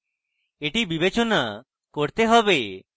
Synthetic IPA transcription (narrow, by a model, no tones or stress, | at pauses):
eʈibibet͡ʃona | koɾt̪eɦɔbe